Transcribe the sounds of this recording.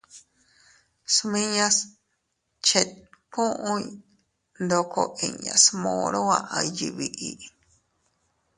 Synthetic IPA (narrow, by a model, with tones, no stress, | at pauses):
smĩ˦ɲã˦s | t͡ʃe˧kʰõ˦ʔõ˦j | nd̪o˧kʰo˧ʔi˨ɲã̰˨smõ˧ɾo˦a˧ʔa˧ji˧βi˧ʔi˧